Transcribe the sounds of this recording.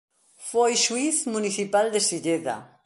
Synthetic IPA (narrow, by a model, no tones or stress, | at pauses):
fojʃuiθmuniθipald̪esiʎeða̰